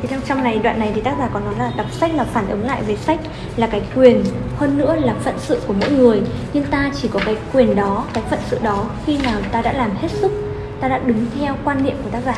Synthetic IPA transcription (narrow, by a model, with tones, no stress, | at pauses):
i˨˩ɔ˧wŋ͡mt͡ɕa˧wŋ͡mna˨˩jɗwa̰ː˧˨nːa˨˩jt̪ʰi˨˩t̪a˦˥k̚aː˨˩kɔ˨˦nːɔ˨˦jlaː˨˩ɗa˨˩p̚sa˦˥jk̚laː˨˩faː˧˩nʔɨ˨˦ŋla̰ː˧˨jve˨˩sa˦˥k̟̚ | laː˨˩kaː˨˦jkwi˨˩ənhəː˧nːɨ̰˧˥əlaː˨˩fə̰˧˨nsɨ̰˧˨ku˧˩əmɔ̰˧˥jŋɨ˨˩əjɲɨ˧ŋt̪aː˧t͡ɕi˧˩kɔ˨˦kaː˨˦jkwi˨˩ənɗɔ˨˦kaː˨˦jfə̰˧˨nsɨ̰˧˨ɗɔ˨˦xi˧naː˨˩wt̪aː˧ɗa̰ː˧˥laː˨˩mhe˦˥t̚sɨ˦˥k̚ | t̪aː˧ɗa̰ː˧˥ɗɨ˨˦ŋt̪ʰɛ˧wkwaː˧nːḭ˧əmku˧˩ət̪a˦˥k̚zaː˨˩